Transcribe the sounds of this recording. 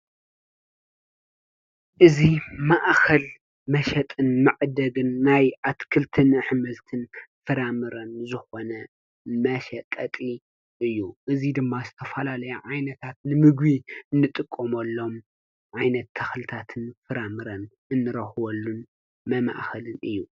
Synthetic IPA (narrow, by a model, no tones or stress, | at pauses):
ʔɨzimaʔkʰɐl | mɐʃɐt̪ʼɨnmɨʕd̪ɐɡɨnːajʔat̪kʰɨlt̪ʰɨnɨħmɐzt̪ʰɨnfɨɾamɨɾɐnzɨxo̞nɐ | mɐʃɐt̪ʼɐt̪ʼi | ʔɨjːuʔɨzid̪ɨmːazɨt̪ʰɐfɐlalɐjɐʕajnɐt̪ʰat̪nɨmɨɡβiɨnːɨt̪ʼɨkʼːomɐlːo̞m | ʕajnɐt̪ʰːɐxlɨt̪ʰat̪ʰɨnfɨɾamɨɾɐn | ɨnːɨɾɐxwɐlːun | mɐma̰ʔxɐlɨnʔɨjːu